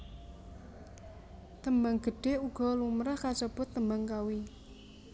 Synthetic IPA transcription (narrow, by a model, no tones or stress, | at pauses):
t̪əmbaŋɡ̥ə̤ɖ̥e̤uɡ̥ɔ̤lumɾahkat͡ʃəb̥ʊt̪ːəmbaŋkawi